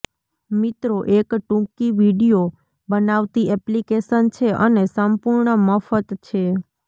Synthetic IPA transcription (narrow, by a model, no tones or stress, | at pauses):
mit̪ɾoʔekʈũkiʋiɖijo | bənaʋt̪iɛplikesənt͡ʃʰeʔənesəmpuɾɳəməfət̪t͡ʃʰe